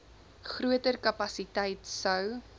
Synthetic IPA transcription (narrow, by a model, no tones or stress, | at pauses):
χruətərkɐpɐsitɛjtsəw